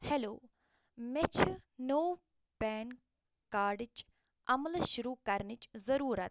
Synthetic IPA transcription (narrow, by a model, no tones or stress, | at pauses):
heloː | met͡ʃʰnoː | pɛːn | kaːɖt͡ʃ | ɐmlʃʊɾuːkɐɾnit͡ʃzɐɾuːɾɐt̪